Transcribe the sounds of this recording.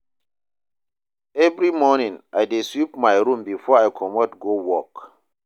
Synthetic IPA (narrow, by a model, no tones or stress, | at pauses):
ɛvɹimɔnĩŋajdeswip̚majɾũmbifɔajkʰɔmɔtɡowɔk